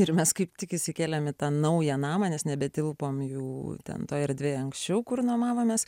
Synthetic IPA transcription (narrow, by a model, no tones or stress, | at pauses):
ɪɾmʲɛskɐɪpt̪ʲɪkɪsʲɪkʲeːlʲɛmɪt̪ɑːnɐʊjɛnɑːmɐnʲɛsnʲɛbʲɛt̪ʲɪlˠpoːmjuːt̪ʲɛ̰nt̪oːɪɾd̪ʲʋʲeːɐŋksʲt͡ʃʲɛʊkʊrnomɑːʋoːmʲeːs